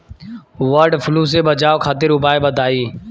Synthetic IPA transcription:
ʋəɾɖfʰluːs̬ebət͡ʃaːokʰaːt̪ɪɾʊbaːebəd̪ʱaːiː

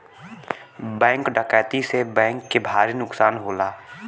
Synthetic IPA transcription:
bɛ̃ːŋkɖəkɛːt̪isebɛ̃ːŋkːebʱaːɾinʊksaːnɦoːlaː

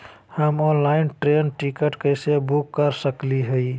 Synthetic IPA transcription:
həmɔːnlaɪnʈɾenʈikəʈkəɪsebukːəɾsəkliɦəi

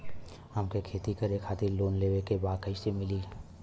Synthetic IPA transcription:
əmkekʰeːt̪ikɐɾeːkʰaːt̪ɪɾloːnleːʋekebaːkəɪsemɪliː

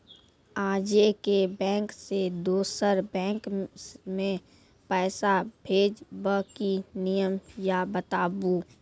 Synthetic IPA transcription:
aːd͡ʒekebɛ̃ːŋksed̪oːsəɾbɛ̃ːŋkmẽ | pɛːsabʱeːd͡ʒbəkinijəmjabət̪aːbu

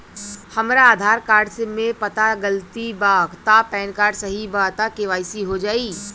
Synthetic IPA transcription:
hɐmɾaːd̪ʱaːɾkaːɾɖsemẽpɐt̪aɡəlt̪ibaːɡt̪apɛːnkaːɾɖsɐɦibat̪akeʋaːɪsiɦod͡ʒaːi

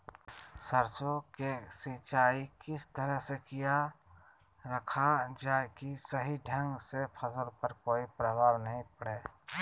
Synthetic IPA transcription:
səɾsokesit͡ʃaːikɪst̪əɾəɦsekija | ɾəkʰad͡ʒaːkisəɦiɖʱə̃ŋɡsepʰɐzəlpəɾkoːipɾəʋaːɾnəɦĩpɐɽeː

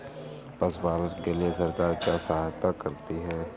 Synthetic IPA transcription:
pɐsbaːləʈkeliesɐɾkaːɾkjasɐɦaːjt̪akɐɾt̪iɦɛː

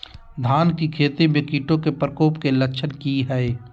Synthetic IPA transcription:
d̪ʱaːnkikʰeːt̪emẽkiːʈõkepɾəkoːpkeləkʃʰənkiɦɛe

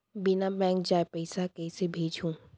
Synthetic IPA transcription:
bɪnabɛ̃ːŋk̚d͡ʒaːepɛɪsakɛːsebʱeːd͡ʒʱũː

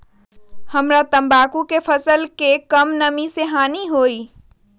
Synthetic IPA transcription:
hɐmɾat̪ɐ̃mbaːkukefʰɐsəlkekɐmnɐmiseɦaːniɦoːiː

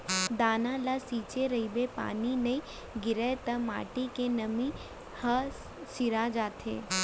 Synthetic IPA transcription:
d̪aːnãlasiːt͡ʃeɾɐibepa̰ːninɐi | ɡɪɾet̪ɐma̰ːʈikenɐmĩ | hɐ | siɾad͡ʒaːt̪ʰḛː

